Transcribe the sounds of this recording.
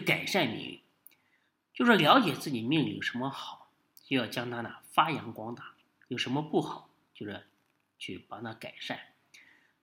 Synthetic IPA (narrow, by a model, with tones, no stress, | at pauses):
ka˨˩ɪʂa˥˩nmḭ˧˥ŋ̰˥˩˥ | t͡ɕjo˥˧ʊʂɻ̩˥˩ljɑ˧˥ʊt͡ɕjɛ˨˩t͡sɹ̩˥˩t͡ɕi˨˩mi˥˧ŋli˨˩˨ʂə˧˥nmə˧xɑ˨˩˦ʊ | t͡ɕjo˥˧jɑ˥˩ʊt͡ɕjɑ˥ŋt̪ʰa˥na˨˩fa˥jɑ˧˥ŋkwɑ˥ŋt̪a˨˩˦ | jo˨˩ʊʂə˧˥nmə˧pu˥˩xɑ˨˩˦ʊ | t͡ɕjo˥˧ʊʂɻ̩˥˩ | t͡ɕʰy˥˩pa˨˩nʰa˥ka˨˩ɪʂa˥˩n